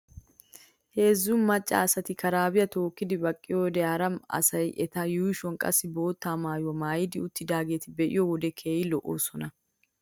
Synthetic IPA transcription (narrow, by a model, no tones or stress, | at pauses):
he̞ːzːʊmmɐt͡ʃʼːa̰ːsɐt̪ɪkʰɐɾaːbɪjɐt̪o̞ːkːɪd̪ɪbɐkʼːɪjod̪ɛjaːɾɐmɐ̰sɐjʔɛt̪ɐjuːʃɔŋkʼɐ̰sːɪbo̞ːt̪ːaːmaːjwɔmaːjɪd̪ɪʊt̪ːɪd̪aːɡe̞ːt̪ɪbɛʔɪ̰jɔwɔd̪ɛkʰe̞ːjɪlɔʔo̰ːsɔnɐ